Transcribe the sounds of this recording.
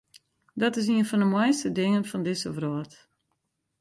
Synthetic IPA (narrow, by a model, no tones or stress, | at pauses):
dɔtɪs̬iənfɔndəmɔjstədɪŋənfɔndɪsəʋrɔət